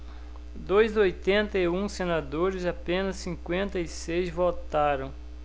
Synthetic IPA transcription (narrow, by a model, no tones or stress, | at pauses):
d̪ojzojt̪ẽnt̪ɐiũsenad̪oɾɪzapẽnɐsːĩŋkwẽnt̪ɐisejzvot̪aɾɐ̃w̃